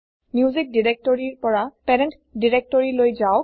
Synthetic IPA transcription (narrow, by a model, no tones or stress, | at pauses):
mizik̚diɹɛk̚tɔɹiɹpɔɹapɛɹɛnt | diɹɛk̚tɔɹilojzaʊ